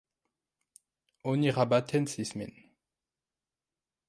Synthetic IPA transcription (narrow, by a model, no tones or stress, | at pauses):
oniʁabat̪ʰɛnsismḭn